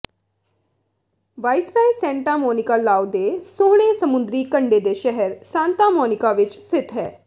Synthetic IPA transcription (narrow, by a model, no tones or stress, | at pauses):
ʋaːɪsɾaːisɛ̃ːɳʈaːmɔːnɪkaːlaːwd̪eːsoːɽ̃eːsəmʊ̃nd̪ɾiːkəɳɖeːd̪eːʃɛɦəɾsãːnt̪aːmɔːnɪkaːʋɪt͡ʃst̪ɪt̪ɦɛː